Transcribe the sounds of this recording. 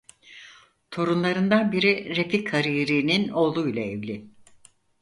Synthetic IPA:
t̪ʰo̞ɾunlˠaɾɯnd̪anbiɾiɾefikhaɾiːɾiːnino̞ːlˠujlˠaevlʲɪ

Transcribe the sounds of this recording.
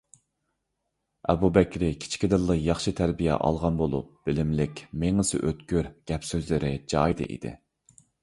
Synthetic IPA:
ɛ̰bubɛkʲɾɪkʲʰi̥t͡ʃʰkʲid̪ɨlˠːəjɑχʃɨt̪ʰæɾbijɛ̰ʔɑ̰lˠʁɑnbolˠṵp̚b̥ɪlɪmlɪkʲmeŋɨsɪ̰ʔøt̪kʲyɾɡ̥ʲɛpsøzlɪɾɪd͡ʒɑjd̪ɨ̰ʔḭd̪ɪ̰

